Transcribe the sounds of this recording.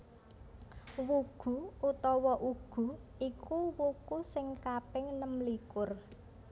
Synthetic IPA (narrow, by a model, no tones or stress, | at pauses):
wuɡ̥ṳut̪ɔwɔʔuɡ̥ṳikuwukusɪŋkapɪŋnəmlikʊr